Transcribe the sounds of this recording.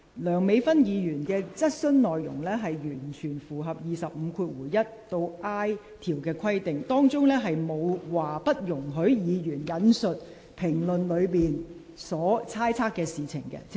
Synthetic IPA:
lœː˨˩ŋme˨˧jfɐ˥njiː˨˧jyː˨˩nkɛː˧t͡sɐ˥t̚sɵ˥nnɔː˨jːʊ̰˨˩ŋlɛː˥ɦɐ˨jjyː˨˩nt͡ʃʰyː˨˩nfuː˨˩ɦɐ˨p̚jiː˨sɐ˨p̚m̩˨˧kʰuː˧t̚wuː˨˩jɐ˥t̚t̪o˧wʔaː˥j | t̪ʰiː˨˩wkɛː˧kʰɐ˥jt̪ɪ˨ŋt̪ɔː˥ŋt͡sʊ˥ŋlɛː˥ɦɐ˨jmo˨˧wwaː˨˩pɐ˥t̚jʊ˨˩ŋɦɵ˨˥ɥjiː˨˧jyː˨˩njɐ˨˥nsɵ˨t̚ | pʰɪ˨˩ŋlɵ˨nlɵ˨˧ɥpiː˨n | sɔː˨˥t͡sʰaː˥jt͡sʰaː˥kːɛː˧siː˨t͡sʰɪ̰˨˩ŋkɛ̰˧˥

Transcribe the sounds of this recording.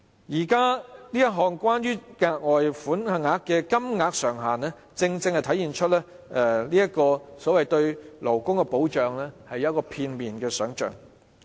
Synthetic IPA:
jiː˨˩kaː˥liː˥jɐ˥t̚ɦɔː˨˩ŋkwaː˥njyː˥ŋaː˧k̚ŋɔː˨jfuː˨˥nhɐ˨ŋaː˨˥kːɛː˧kɐ˥mŋaː˨˧k̚sœː˨˩ŋɦaː˨˩nɛː˥ | t͡sɪ˧ŋt͡sɪ˧ŋhɐ˨jt̪ʰɐ˨˥jiː˨˩nt͡ʃʰɵ˥t̚lɛː˥ | ʔɛ˧liː˥jɐ˥t̚kɔː˧sɔː˨˥wɐ˨jt̪ɵ˧ɥlo˨˩wkʊ˥ŋkɛ˧po˨˥wt͡ʃœː˨ŋlɛː˥hɐ˨jɐ˨˦˥kɔː˧pʰiː˧nmiː˨nkɛː˧sœː˨˥ŋt͡ʃœ̰ː˨˩ŋ

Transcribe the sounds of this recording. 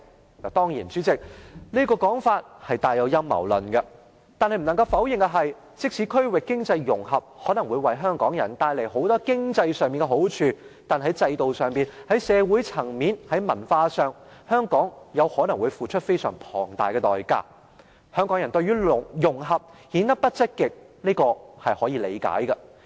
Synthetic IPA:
aː˨˩t̪ɔː˥ŋjiː˨˩nt͡syː˨˥t͡sɪ˨k̚ni˥kɔː˧kɔː˨˥ŋfaː˧t̚hɐ˨jt̪aː˨˧jɐ˨˧wjɐ˥mːɐ̰˨˩wlɵ˨˩nkɐ˧ | t̪aː˨nhɐ˨jm̩˨˩nɐ˨˩ŋkɐ˧wfɐ˨˥wjɪ˨ŋɡɐ˧ɦɐ˨j | t͡sɪ˥k̚sʰiː˨˥kʰɵ˥ɥwɪ˨kːɪ˥ŋt͡sɐ˧jːʊ˨˩ŋɦɐ˨p̚hɔː˨˥nɐ˨˩ŋwuː˨˧jwɐ˨jɦœː˥ŋkɔː˨˥ŋjɐ̰˨˩nt̪aː˧jle˨˩jɦo˨˥wt̪ɔː˥kɪ˥ŋt͡sɐ˧jsœː˨ŋmiː˨˩nkɛ˧ɦo˨˥wt͡ʃʰyː˧t̪aː˨nɦɐ˨˥jt͡sɐ˧jt̪o˨wsœː˨ŋmiː˨nhɐ˨˥jsɛː˨˧wuː˨˥jt͡sʰɐ˨˩ŋmiː˨˥nhɐ˨˥jmɐ˨˩nfaː˧sœː˨ŋhœː˥ŋkɔː˨˥ŋjɐ˨˧whɔː˨˥nɐ˨˩ŋwu˨˧jfuː˨t͡ʃʰɵ˥t̚fe˥jsœ̰ː˨˩ŋpʰɔ̰ː˨˩ŋt̪a̰ː˨jkɛ˧t̪ɔː˨jka̰ː˥ | hœː˥ŋkɔː˨˥ŋjɐ˨˩nt̪ɵ˧ɥyː˥ljʊ˨˩ŋɦɐ˨p̚hiː˨˥nt̪ɐ˥k̚pɐ˥t̚t͡sɪ˥t̚kːɪ˨k̚ | niː˥kɔː˧hɐ˨jhɔː˨˥jiː˨˧lḛ˨˧jka̰ː˨˥jɡɐ˧

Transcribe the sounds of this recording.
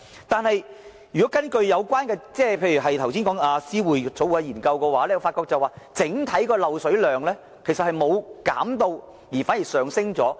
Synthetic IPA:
t̪aː˨˩nhɐ˨j | jyː˨kɔː˨˥kɐ˥nkɵ˧ɥjɐ˨˧wkʷaː˥nkɛː˧t͡sɛː˥˩pʰe˧jyː˨˩ɦɐ˨jt̪ʰwsi˥nkɔː˨˥ŋaː˧siː˥wuː˨˩jt͡so˨˥wu˨a˧jiː˨˩nkɐ˧wkɔː˧waː˨˥lɛː˥jfaː˧t̚kːɔː˧k̚t͡sɐ˨waː˨˩t͡sɪ˨˥ŋt̪ʰɐ˨˥jkɔː˧lɐ˨wsɵ˨˥ɥlœː˨˩ŋlɛː˥ | kʰe˨˩jsɐ˨t̚hɐ˨jmo˨˧wka̰ː˨˥mt̪o˧w | jiː˨˩faː˨˥nji˨˩sœː˨˩ŋsɪ˥ŋt͡sɔː˨˥

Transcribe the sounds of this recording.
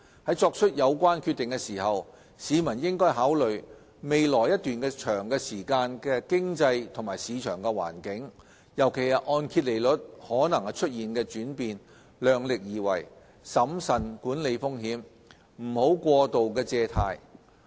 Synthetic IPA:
hɐ˨˥jt͡sɔː˧k̚t͡ʃʰɵ˥t̚jɐ˨˧wkʷwaː˥nkʰy˥˧t̪ɪ˨ŋkɛ˧siː˨˩hɐ˨w | siː˨˧mɐ˨˩njɪ˥ŋkɔː˥jɦaː˨˥wlɵ˨ɥ | me˨jlɔː˨˩jɐ˥t̪̚yː˨nkɛː˧t͡ʃʰœː˨˩ŋkɛː˧siː˨˩kaː˧nkɛː˧kɪ˥ŋt͡sɐ˧jt̪ʰʊ˨˩ŋmaː˨˩jsiː˨˧t͡ʃʰœː˨˩ŋkɛ˧wa̰ː˨˩nkɪ˨˥ŋ | jɐ˨˩wkʰe˨˩jhɐ˨ʔɔː˧nkʰi˧t̚le˨˩jlɵ˨˥t̚hɔː˨˥nɐ˨˩ŋhɐ˨˧jt͡ʃʰɵ˥t̚jiː˨nkɛː˧t͡ʃyː˨˥npiː˨n | lœː˨ŋlɪ˨k̚jiː˨wɐ̰˨˩j | sɐ˨˥msɐ˨˩nkuː˨˥nle˨˧jfʊ˥ŋɦiː˨˥m | m̩˨˩ho˨˥wkʷɔː˧t̪o˨wkɛː˧t͡sɛː˧t̪ʰa̰ː˧j

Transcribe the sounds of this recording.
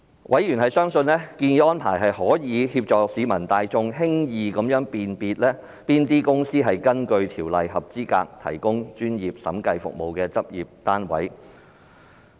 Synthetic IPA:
wʔɐ˨˥jyː˨˩nhɐ˨jsœː˥ŋsɵ˧nlɛː˥kiː˧niː˨˧ʔɔː˥npʰaː˨˩jɦɐ˨jhɔː˨˥jiː˨˧˥hiː˧p̚t͡ʃɔː˨k̚siː˨˧mɐ˨˩nt̪aː˨˧jt͡sʊ˧ŋɦɪ˥ŋjiː˨kɐ˨˥mjœː˨˥ŋpiː˨npiː˧t̚lɛː˥ | piː˥nt̪iː˥kʊ˥ŋsiː˥ɦɐ˨jkɐ˥nkɵ˧ɥt̪ʰiː˨˩wlɐ˨jhɐ˨p̚t͡siː˥ka̰ː˧k̚t̪ʰɐ̰˨˩jkʊ˥ŋt͡ʃyː˥njiː˨p̚sɐ̰˨˥mkɐ˧jfʊ̰˨k̚mo˨wkɛː˧t͡sɐ˥p̚jiː˨˩p̚t̪aː˥nwɐ̰˨˥j

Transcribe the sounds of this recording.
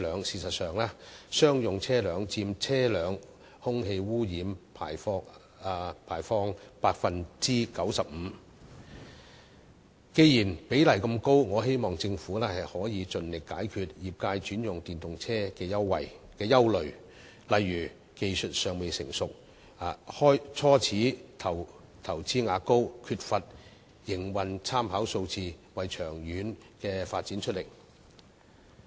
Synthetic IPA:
lœː˨˧ŋsiː˨˧sɐ˨t̚sœː˨ŋlaː˥sœː˥ŋjʊ˨ŋt͡sʰɛː˥lœː˨˧ŋt͡siː˧mt͡sʰɛː˥lœː˨˧ŋ | hʊ˥ŋɦe˧jwuː˥jiː˨˥mpʰaː˨˩jfɔː˧˥˧ | pʰaː˨˩jfɔː˥ŋpaː˧k̚fɐ˧nt͡siː˥kɐ˨˥wsɐ˨p̚m̩ː˨˧ | ke˧jiː˨˩npe˨˥jlɐ˨jkɐ˧mko˥wŋɔː˨˧he˥jmɔː˨˩ŋt͡sɪ˧ŋfuː˨˥lɛː˥hɐ˨jhɔː˨˥jiː˨˧t͡sɵ˨nlɪ˨kːaː˨˥jkʰyː˧t̚jiː˨p̚kaː˧jt͡ʃyː˨˥njʊ˨˩ŋt̪iː˨nt̪ʊ˨ŋt͡sʰɛː˥kɛː˧jɐ˥wːɐ̰˨jkɛː˧jɐ˥wlɵ˨˩ɥ | lɐ˨jːyː˨˩ | ke˨jsɵ˨t̚sœː˨ŋme˨jsɪ̰˨˩ŋsʊ˨k̚ | a˨hɔː˥jt͡sʰɔː˥t͡sʰiː˨˥t̪ʰɐ˨˩w | t̪ʰɐ˨˩wt͡siː˥ŋaː˨˧˥ko˥wkʰyː˧t̚fɐ˨t̚ | jɪ˨˩ŋwɐ˨nt͡sʰaː˥mhaː˨˥wso˧wt͡siː˧wɐ˨jt͡ʃʰœː˨˩ŋjyː˨˧˥n | kɛː˧faː˧t̚t͡siː˨˥nt͡ʃʰɵ˥t̚lɪ˨˩k̚

